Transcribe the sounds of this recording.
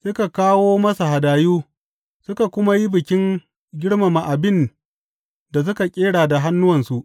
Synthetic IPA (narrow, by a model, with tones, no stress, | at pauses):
sʊ˦ka˨kaː˦woː˦mɐ˦sa˨ɦa˨daː˨juː˦ | sʊ˦ka˨kʷʊ˦ma˦ji˦bɪ˨kʲɪ˦ŋ | ɡʲɪ˦ɽma˨ma˨ʔa˨bɪ˦n | da˨s̬ʊ˦ka˨kʲʼeː˦ɽaː˨da˨ɦa˦nːʊ˦wɐ˨nsu˨ʔ